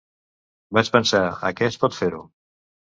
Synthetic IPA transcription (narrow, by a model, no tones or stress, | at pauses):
bat͡ʃpənsaə̰kɛspɔt̪feɾu